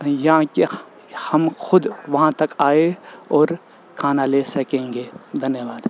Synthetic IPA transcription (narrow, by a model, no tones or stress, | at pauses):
jɐɦãke | hɐmxʊd̪ʋɐɦãt̪ɐkaːeɔːɾ | kʰaːnaleːsɐkẽːŋɡeːd̪ʱɐnjəʋaːd̪